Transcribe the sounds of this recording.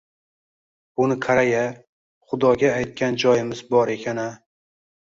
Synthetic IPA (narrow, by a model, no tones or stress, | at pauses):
ʊnɪkʰaɾaja | χʊd̪ɒɡʲaːjt̪̚kʲand͡ʒɒjɪmɪzbɒɾe̞kʲʰana